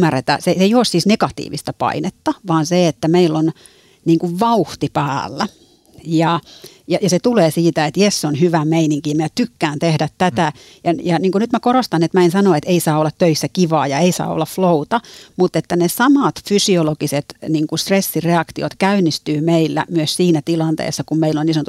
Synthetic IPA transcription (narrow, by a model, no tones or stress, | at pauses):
mːæret̪æ̰sesejossiːsnekɑt̪ḭːʋḭst̪ɑpɑ̰inet̪ːɑʋɑːnseet̪ːæmeilːon | niːŋkuʋʋɑuht̪ipæːlːæ | jɑ | jɑjɑset̪uleːsiːt̪æet̪jessonhyʋæmeiniŋkimiæt̪ykːæːnt̪ehdæt̪tæt̪æ | jɑjɑniːŋkunyt̪mækorost̪ɑnet̪mæensɑnoet̪eisɑːolːɑt̪t̪øisːækiʋɑ̰ːjɑeisɑ̰ːo̰lːɑfflout̪ɑmut̪ːet̪ːænesɑmɑt̪fysiolokiset̪niːŋkust̪resːireɑkt̪io̰t̪kæynːˑist̪yːmeilːæ̰myøssiːnæt̪ilɑnt̪ḛːsːɑkummeilːonisonot̪u